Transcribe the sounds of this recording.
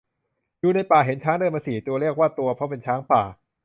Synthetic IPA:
juː˨na˧jpaː˨˩ɦe˩˦nt͡ɕʰaː˦˥ŋdaː˧˩jma˧siː˨˩t̪u˧ɐle˥˩ək̚waː˥˩t̪u˧ɐpʰɔ˦˥p̬e˧nt͡ɕʰaː˦˥ŋpaː˨˩

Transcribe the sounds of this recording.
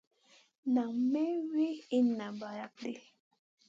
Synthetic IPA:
na˨mɛ˦wi˦i˦na˨ba˨ja˨k̚de˦

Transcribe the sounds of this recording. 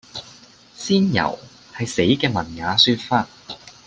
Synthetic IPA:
siː˥njɐ̰˨˩w | hɐ˨jse˨˥jkɛː˧mɐ˨˩nŋaː˨˧syː˧t̚faː˧t̚

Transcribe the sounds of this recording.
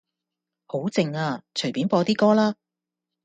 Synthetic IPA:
ho˨˥wt͡sɪ˨˧ŋaː˧t͡ʃʰɵ˨˩ɥpi˨˥npɔː˧t̪iː˥kɔː˥laː˥

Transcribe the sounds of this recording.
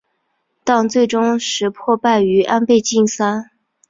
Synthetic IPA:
t̪ɑ˥˧ŋt͡swe˥˩ɪʈ͡ʂʊ˥ŋʂɻ̩˧˥pʰwɔ˥˧pa˥˩ɪy˧˥ʔa˥npe˥˧ɪt͡ɕi˥˩nsa˥n

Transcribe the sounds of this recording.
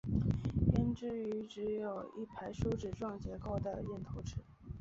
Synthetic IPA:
ɛ˥nʈ͡ʂɻ̩˥˩y˧˥ʈ͡ʂɻ̩˧˥jo˨˩ʊi˥˩pʰa˧˥ɪʂu˥ʊʈ͡ʂɻ̩˨˩ʈ͡ʂwɑ˥˩ŋt͡ɕjɛ˧˥ko˥˩ʊd̪ə˩jɛ˥˩nt̪ʰo˧˥ʊʈ͡ʂʰɻ̩˧˩˦

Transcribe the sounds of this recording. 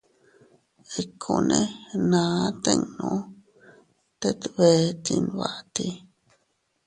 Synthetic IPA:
e˧kʰo˧nẽ˧nã˨˦t̪ẽ˦˧ŋnõ˧ | t̪e˦t̪βe˧˦t̪i˧nβa˧ʔt̪i˧

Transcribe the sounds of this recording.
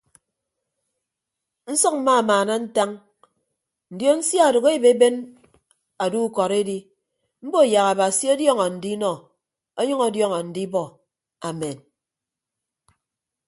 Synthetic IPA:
n̩˦sɔ˦k̚m̩˦maː˦˨maː˨na˦n̩˦ta˦ŋ | n̩˨djo˦n̩˦sja˦a˨do˨ɣe˦be˦be˦n | a˨du˦kɔ˨ɾe˦di˦ | m̩˦bo˦˨ja˨ɣa˨ba˨si˦o˦djɔ˦ŋɔ˨n̩˨di˦nɔ˨ | o˦ɲʌ˦ŋɔ˨˦djɔ˦ŋɔ˨n̩˨di˦bɔ˦ | a˨me˨n

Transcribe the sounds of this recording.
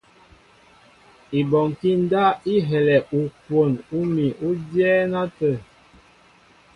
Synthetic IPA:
i˨bɔ˨ŋ˨ki˦n˦da˦i˦ɦɛ˨lɛ˨ʔu˨kwo˨nu˦mi˨ʔu˦djɛː˦na˦tə˦˨

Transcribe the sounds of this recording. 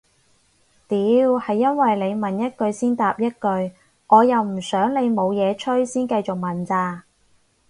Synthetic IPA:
t̪iː˨˥whɐ˨jːɐ˥nwɐ˨jle˨˧jmɐ˨njɐ˥t̚kɵ˧ɥsiː˥nt̪aː˨p̚jɐ˥t̚kɵ˧ɥ | ŋʔɔː˨˧jɐ˨wm̩˨˩sœː˨˥ŋle˨˧jmo˨˧wjɛː˨˧t͡ʃʰɵ˥ɥsiː˥nkɐ˧jt͡sʊ˨k̚mɐ˨nt͡saː˧

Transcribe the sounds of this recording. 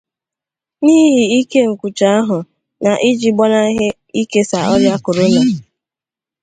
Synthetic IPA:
niː˦ɦi˨i˦ke˦ŋ̩˨kʷu˨t͡ʃa˨a˦ɦʊ˨ | na˨ʔi˦d͡ʒi˨ɡ͡bɔ˦na˦ɦɪ˦ | i˦ke˦sa˨ɔ˦ɾja˦kʊ˨ɾʊ˦na˨

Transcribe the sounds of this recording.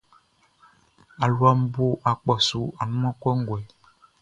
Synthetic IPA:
a˨lwa˨m˦bo˦ʔa˨k͡pɔ˨su˨a˨nũ˦mã˦kɛ˦ŋ˦ɡwɛ˨

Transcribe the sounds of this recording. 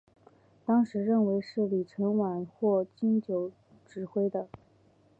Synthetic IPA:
t̪ɑ˥ŋʂɻ̩˧˥ɻə˥˩nwe˧˥ɪʂɻ̩˥˩li˨˩ʈ͡ʂʰɤ˧˥ŋwa˨˩nxwɔ˥˩t͡ɕi˥nt͡ɕjo˧˩˥ʊ | ʈ͡ʂɻ̩˨˩xwe˥ɪd̪ə˧

